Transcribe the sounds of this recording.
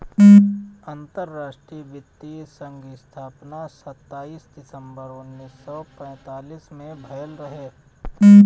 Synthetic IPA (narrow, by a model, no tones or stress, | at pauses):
ɐ̃nt̪əɾːaːʃʈɾiːəʋɪt̪ːisə̃ŋɡɪst̪ʰaːpnasɐt̪ːaːiːsd̪ɪsə̃mbəɾʊnːiːsːɔpɛ̃ːt̪aːliːsmẽbʱɐəlɾɐɦeː